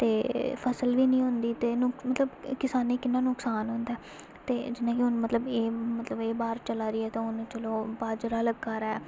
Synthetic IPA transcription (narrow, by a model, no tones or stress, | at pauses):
t̪eːpʰəsəlʋiːnəĩːɦʊnd̪iːt̪eːnʊkmət̪ləbkɪsaːneːkɪnːãːnːʊksaːnɦʊnd̪aɛː | t̪eːd͡ʒɪnãːkɪʊñːmət̪ləbeːmət̪ləbeːbaːɾt͡ʃəlaːɾiːɛːt̪ãːʊñːt͡ʃəloːbaːd͡ʒɾaːləɡːaːɾaɛː